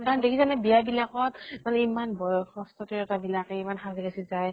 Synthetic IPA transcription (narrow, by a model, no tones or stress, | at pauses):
kaɹɔndekʰizanɛbijabilakɔtmanɛimanbɔjɔxɔstɔtiɹɛtabilakɛimanxazikasizaj